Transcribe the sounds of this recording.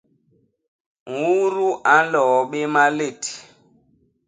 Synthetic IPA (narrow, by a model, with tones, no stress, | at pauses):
ŋ̩˨wu˦ɾu˦ʔa˨˦n˦lɔ˨˦ɓe˦ma˦le˦˨ti̥˨